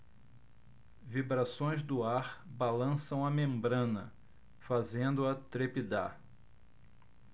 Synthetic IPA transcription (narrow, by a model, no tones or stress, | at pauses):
vibɾasõj̃zd̪ʊaɾbalɐ̃sɐ̃w̃ɐmẽmbɾɐ̃nɐ̰ | fazẽnd̪ʊɐt̪ɾepid̪a̰